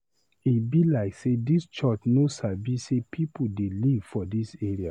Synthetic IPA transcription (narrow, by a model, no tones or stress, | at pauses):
itbilaɪksedist͡ʃɔt͡ʃnosabisepʰipʰl̩delivfɔdisɛɹia